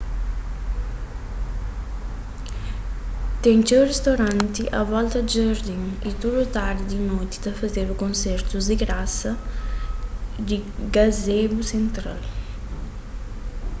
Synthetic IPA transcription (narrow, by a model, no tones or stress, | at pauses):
t̪ɛŋt͡ʃɛwrest̪oɾant̪iʔa̰vɔlt̪ɐd͡ʒəɾd̪iŋit̪uɾut̪aɾd̪inɔt̪i̥d̪ɐfɐzeɾukonsɛrt̪uzd̪iɡɾasɐ | d̪iɡazebusent̪ɾa̰l